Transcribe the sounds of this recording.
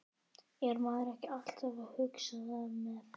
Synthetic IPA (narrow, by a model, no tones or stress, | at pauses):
jɛɾmaːɾɛhcɪal̥t̪avahʏksaðamɛ